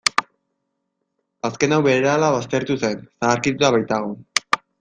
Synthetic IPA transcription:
aske̞nawβe̞ɾalaβ̞ast̪e̞ɾt̪use̞nsaːɾkit̪uaβajt̪aɣ̞o

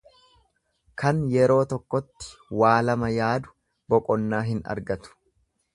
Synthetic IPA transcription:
kʰɐnjɛɾo̞ːt̪ɔkːɔt̪ːɪ̥waːlɐmɐjaːd̪ʊ̥ | bɔkʼɔnːaːɦɪnɐ̰ɾɡɐt̪ʊ̥

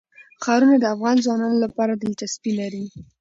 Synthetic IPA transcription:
xɑɾunad̪əafɣɑnzwɑnɑnolapɑɾad̪əlt͡ʃaspilaɾi

